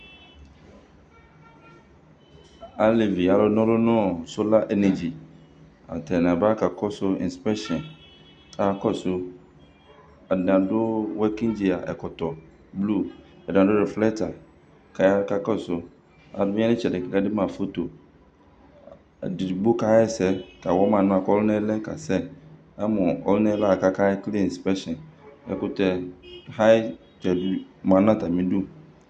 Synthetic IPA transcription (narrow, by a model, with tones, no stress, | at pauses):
a˦lɪ˨vi˨a˨lʊ˦nɔ̃˦ɾʊ˦nʊ̃˦˨so˦la˦ʔɛ˦nɛ˨d͡ʑi˨ | a̰˨tʰɛ˨nã˨ba˦ka˨kʰɔ˦sʊ˦ɪ̰̃˨nspɛ˦ʃɛ̃˨n | kʰa˨˦˨kɔ˦sʊ˦ | a˨dɪ˨ã˨dʊ˦wɛ˦kɪ̃˦nd͡ʑi˨a˨ʔɛ̰˨kʰɔ˨tɔ˨ | blu˦˨ | ɛ˨dɪ̃˨ã˨dʊ˦ɾɪ˨flɛ˦tʰa˨ | kʰa˨ja˦ka˦ka˦˨sʊ˨ | a̰˨dʊ˦bɪ̃˦ɛ˦nɪ̃˦t͡ɕɛ˨dɪ˨ka˦dɪ˦mã˨fo˦to˨ | dɪ˨dɪ˨bu˦ka˦ɪ˦sɛ˦ka˨wɔ˦mã˨nã˦a˨kɔ˦lʊ˦nɛ̃˦lɛ˦ka̰˨sɛ˦ | ɛ˦mʊ̃˨ɔ̰˦lʊ˦nɛ̃˦la˦˨ka˦ka˦ɪ˦kli˦˨spɛ˦ʃɛ̃˨nɛ̰˨kʊ˦tɛ˦ha˦ɪ˦ | tɛ˨bmã˨nã˦ta˨mɪ̃˦du˦